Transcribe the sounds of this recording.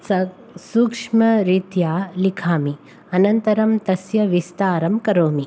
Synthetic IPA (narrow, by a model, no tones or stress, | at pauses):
sɐ | suːkʂmɐɾit̪jaːlikʰaːmi | ɐnɐnt̪ɐɾɐmt̪ɐsjɐʋist̪aːɾɐmkɐɾoːmi